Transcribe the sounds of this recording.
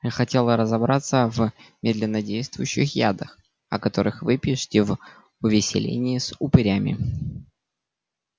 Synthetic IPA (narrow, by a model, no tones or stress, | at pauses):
jaxɐtʲe̞lˠəɾəzɐbɾʔat̪səvmʲed̪lʲɪnːədʲejst̪vʊjʊɕːɪxja̰d̪əx | ɐ̰kɐt̪o̞ɾɨxvɨpʲiʂɨ̥tʲɪv | ʊvʲɪsʲɪ̰lʲḛnʲɪːsʊpɨɾʲamʲɪ̰